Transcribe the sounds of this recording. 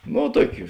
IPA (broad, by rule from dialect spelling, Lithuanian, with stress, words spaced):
noː ˈtuɔkʲʊ